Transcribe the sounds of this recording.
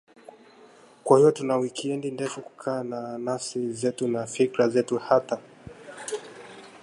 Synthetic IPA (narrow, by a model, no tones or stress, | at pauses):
kwahiɔtunawikiɛndindɛfuku̥kʰaːnanasizɛtunafikɾazɛtuhata